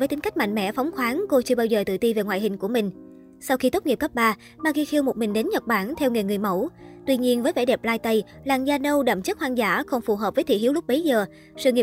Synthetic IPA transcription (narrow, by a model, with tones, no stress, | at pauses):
əː˨˦t̪ï˨˦ŋ̟ka˦˥jk̟ma̰˧˨jŋ̟mɛ̰˧˥fa˨˦wŋ͡mxwaː˨˦nko˧t͡ɕɨ˧əɓaː˧wzəː˨˩t̪ɨ̰˧˨t̪i˧ve˨˩ŋwa̰ː˧˨jɦï˨˩ŋ̟ku˧˩əmï˨˩ŋ̟ | sa˧wxi˧t̪o˦˥t̚ŋi˨˩p̚kə˦˥p̚ɓaː˧ | maː˧˩ɣi˧xi˧əwmo˨˩t̚mï˨˩ŋ̟ɗe˨˦nɲə˨˩k͡p̚ɓaː˧˩nt̪ʰɛ˧wŋɨ˨˩ŋɨ˨˩əjmə˧˩wt̪wi˧ɲi˧ənvəː˨˦jvɛ˧˩ɗɛ˨˩p̚laː˧jt̪ə˧j | laː˨˩ŋzaː˧nə˧wɗə̰˧˩mt͡ɕə˦˥t̚hwaː˧ŋzaː˧˩xə˧wŋ͡mfu˨˩ɦəː˨˩p̚vəː˨˦jt̪ʰḭ˧˨hi˨˦wlʊ˦˥k͡p̚ɓə˨˦jzəː˨˩ | sɨ̰˧˨ŋi˨˩